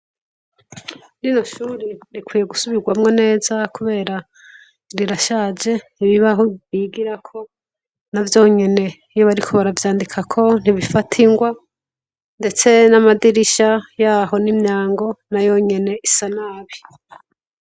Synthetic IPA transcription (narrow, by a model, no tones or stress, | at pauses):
ɾino̞ʃuɾiɾikwiːje̞ɡusuβiɾɡwamŋo̞ne̞ːzakuβe̞ːɾa | ɾiɾaʃaːd͡ʒe̞iβiβaɦoiːɡiɾakʰo̞ | navjo̞ːɲe̞ne̞ | ijoβaɾikʰo̞βaɾavjaːndikʰakʰo̞n̥iβifatʰiŋɡwa | nde̞t͡se̞namadiɾiʃajaːɦo̞nimɲaːŋɡo̞najo̞ɲe̞ne̞ʔisanaːβi